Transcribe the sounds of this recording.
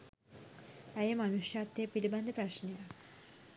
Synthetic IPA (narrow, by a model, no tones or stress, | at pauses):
ɛjemanuʃʃat̪ːepiliband̪ʱepɾaʃnija